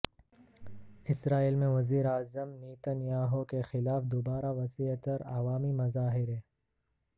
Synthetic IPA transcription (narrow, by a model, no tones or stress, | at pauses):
ɪsɾaːiːlmẽʋɐziːɾaːzəmniːt̪ənjaːɦokexɪlaːfd̪oːbaːɾaʋɐsiət̪ɐɾa̰ʋaːmimɐzaːɦɪɾɦeː